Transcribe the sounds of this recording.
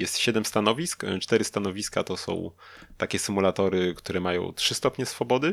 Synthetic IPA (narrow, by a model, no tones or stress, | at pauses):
jɛst̪ɕɛd̪ɛmst̪anɔvʲiskt͡ʂt̪ɛɾɘst̪anɔvʲiska̰t̪ɔsɔ̰̃w̃t̪akʲɛsɘmulat̪ɔɾɘkt̪uɾɛmajɔ̰̃w̃tʂɘst̪ɔpɲɛsfɔbɔd̪ɘ